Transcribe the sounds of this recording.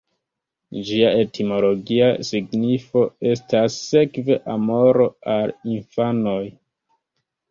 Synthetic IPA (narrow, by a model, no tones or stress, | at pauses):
d͡ʒiae̞tʰimo̞lo̞ɡiasiɡnifo̞e̞stasːe̞kve̞ʔamo̞ɾo̞alinfano̞j